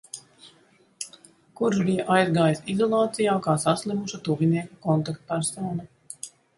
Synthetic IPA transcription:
kuɾʒbijaʔajzɡaːjisizɔlˠɑːt̪sijaːkaːsaslʲˠimuʃat̪uviniɛkakɔnt̪akt̪̚paɾsaːna

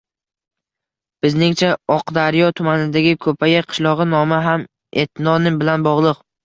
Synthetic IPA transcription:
b̥ɪznɪŋt͡ʃʰaɒqd̪aɾjɒt̪ʰʊmanɪd̪aɡʲɪkʰɵpʰajaqʰɨ̥ʃlˠɒʁɨnɒmɪɦam | et̪ʰɪnɒnɪbɪlanbɒʁlˠɨq̚

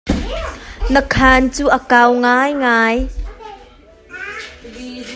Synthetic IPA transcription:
nəkʰant͡suːʔəkawŋajŋaːj

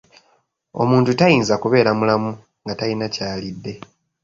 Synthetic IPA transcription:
o̞̰muːntutajiːnzakuβe̞ːɾamulamu | ŋɡatalinacaːlidːe̞

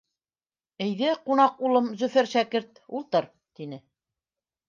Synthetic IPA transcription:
ɘ̆jðɘqunɑqulˠɤmzɵ̆fæɾʃækɘɾt̪̚ulˠt̪ɤɾ | t̪inɘ

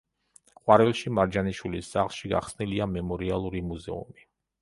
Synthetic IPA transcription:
qʼwaɾɛlˠʃimaɾd͡ʒaniʃwilisːaχlˠʃiɡa̰χsniliamɛmɔɾialˠuɾimuzɛ̰ṵmi

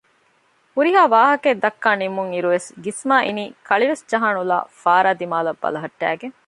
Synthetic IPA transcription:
huɾiɦaːʋaːɦɐked̪ɐkːaːnimuŋiɾuʋesɡismaːʔiniːkʰɐɭiʋesd͡ʒɐɦaːnula̰ːfaːɾaːd̪imaːlɐbːɐ̰lɐɦɐʈːæ̰ːɡeŋ

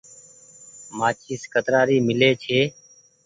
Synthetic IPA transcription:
maːt͡ʃʰiːskət̪ɾaːɾiːmɪleːt͡ʃʰeː

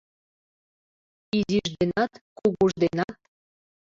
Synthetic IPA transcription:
iziʒd̪enɑt̪kuɣuʒd̪enɑt̪̚

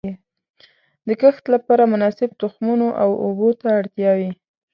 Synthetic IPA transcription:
d̪əkəxt̪lapɑɾamʊnɑsɪb̚t̪ʊxmunoʔawobot̪aːɽt̪jɑwi

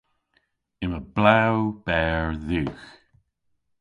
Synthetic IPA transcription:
ɪməblawb̥ɛɹðʉːx

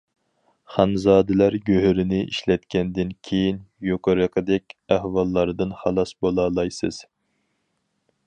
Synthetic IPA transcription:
χɑnzɑːd̪ɪlæɾɡʲøɦyɾɪnɪʔiʃlɛt̪kʲɛnd̪ɪnkʲʰejinjoqəɾəqʰəd̪ɛkʲæhwɑlˠːɑɾd̪ɨnχɑlˠɑsbolˠɑːlˠɑjsɨz̥

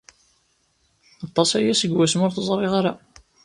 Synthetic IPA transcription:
ɑt̪ˤːɑsæjæsəɡwæsmʊɾθəzˤɾˤeʁaɾa

